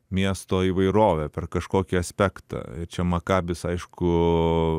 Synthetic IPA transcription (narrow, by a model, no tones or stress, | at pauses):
mʲiɛst̪oːiːʋɐɪɾoːʋʲɛpʲɛrkɐʃkoːkʲiɐsʲpʲækt̪ɑ̰ɪɾt͡ʃʲɛmɐkɑːbʲɪsɐɪʃkʊ